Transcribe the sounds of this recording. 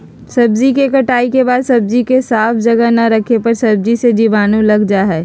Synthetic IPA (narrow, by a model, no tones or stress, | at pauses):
sɐbzikekɐʈaːikebaːd̪sɐb̚zikesaːfʰd͡ʒɐɡənɐɾɐkʰepɐɾsɐb̚zised͡ʒiːʋaːnũlɐɡd͡ʒaɦɛː